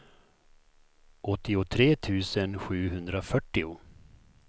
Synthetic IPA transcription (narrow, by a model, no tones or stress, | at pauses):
ʔɔt̪ːɪʊt̪ʰɾeːt̪ʰʉ̟ːsənɧʉ̟ːɦɵnd̪ɾafœʈːɪʊ